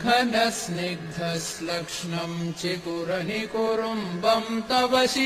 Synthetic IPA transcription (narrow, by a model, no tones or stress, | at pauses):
ɡʰʱɐnɐsnek̚d̪ʱɐslɐkʂɳɐmt͡ʃekuɾɐnikoɾumbɐmt̪ɐʋɐsi